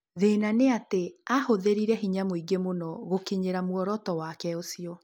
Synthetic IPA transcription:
ðenaneateahoðeɾiɾɛɦiɲamoiɡemonɔɣokiɲeɾamwɔɾɔtɔwakɛosiɔ

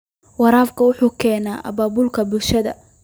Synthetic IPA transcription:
wɑɾaːfkʰɐwʊħuːkʰɛːnaːʔɐ̰baːbʊlkʰɐbʊlʃɐðɐ̰

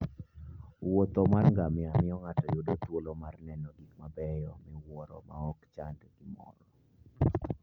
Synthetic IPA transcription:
wot̪ɔmarŋɡamɪamɪɔŋatɔjʊdotwolɔmarnɛnɔɡikmabɛjɔmɛwɔɾɔ̰ma̰ɔkt͡ʃandɛɡɪmɔ̰ɾɔ

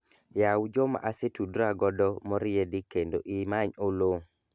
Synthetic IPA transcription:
jawd͡ʒɔma̰ʔasetudɾaɡɔdɔmɔɾɪedikendoʔimaɲolo

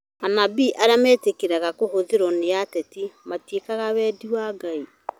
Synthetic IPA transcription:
anabiʔaɾeamɛːtekeɾaɣakohoðeɾɔneatɛtimatekaɣawɛːdiwaːɡai

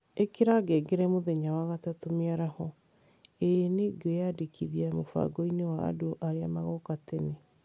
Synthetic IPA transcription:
ekeɾaɡɛɡeɾɛmoðɛɲawaɣatatomeaɾahɔ | eneɡojadekʰiðiamofa̰ɡɔinewa̰ːdoʔaɾeamaɣɔkatɛne

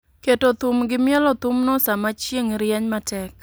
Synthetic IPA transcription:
ketot̪umɡɪmɪɛlɔt̪umnɔsamat͡ʃjeŋɾɪjɛɲmatɛk

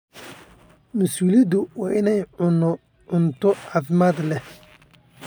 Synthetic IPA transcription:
musuːlid̪uwaʔɪnɛjʊnːʊ | ʔʊnt̪ʊafɪmad̪lɛ

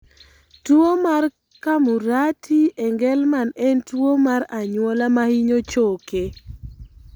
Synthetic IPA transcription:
twomar | kamuɾatʰiɛŋɡɛlmanɛntwomaɾaɲwɔlamahiɲot͡ʃoke

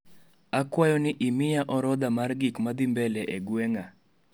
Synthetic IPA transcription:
akwajɔnɪʔimɪjaʔɔɾɔd̪amarɡɪkmad̪ɪmbɛlɛʔɛɡwɛŋa

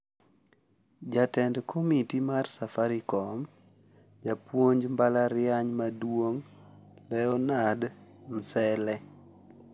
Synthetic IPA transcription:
d͡ʒatɛndkʰomitimarsafaɾikɔm | d͡ʒapwoɲd͡ʒmbalaɾɪaɲmadwoŋlɛɔnadn̩sɛlɛ

